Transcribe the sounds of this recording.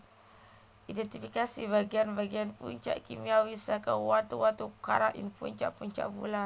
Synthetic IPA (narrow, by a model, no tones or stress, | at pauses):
ʔidɛnt̪ifikasibaɡianbaɡianpṵɲt͡ʃa̰ʔkḭmiawisakawat̪uwat̪uka̰ɾaʔḭnpṵɲt͡ʃa̰ʔpuɲt͡ʃa̰ʔbṵla